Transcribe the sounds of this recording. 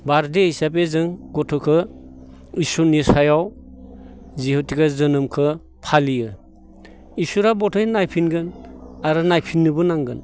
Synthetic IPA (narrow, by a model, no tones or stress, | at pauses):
baɾdehisapezɯŋɡɔtʰɔkʰɯ | isunisajaw | zihutʰiɡazɯnɯmkʰɯ | pʰalijɯ | isuɾabɔtʰɔjnajpʰinɡɯnaɾɯnajpʰinːɯbɯnaŋɡɯn